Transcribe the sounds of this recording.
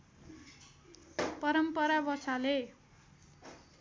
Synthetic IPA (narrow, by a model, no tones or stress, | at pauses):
pʌɾʌmpʌɾabʌt͡sʰale